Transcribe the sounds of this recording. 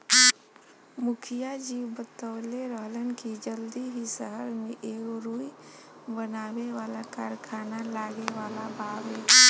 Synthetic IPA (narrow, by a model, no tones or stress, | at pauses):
mʊkʰijad͡ʒiwbət̪əːleɾəɦlənkid͡ʒəld̪iɦisəɦəɾmẽʔeːkɾuːibənaːweʋaːlakaːɾkʰaːnalaːɡeʋaːlabaːbeː